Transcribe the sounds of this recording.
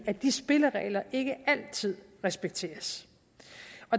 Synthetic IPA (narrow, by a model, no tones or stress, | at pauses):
æd̥isb̥e̝ləʁɛ̰ːlɐʔe̝ɡ̥əæl̰t͡sʰið̰ˠʁɛsb̥eɡ̥̚t͡sʰe̝̰ːɐs | ɒ̽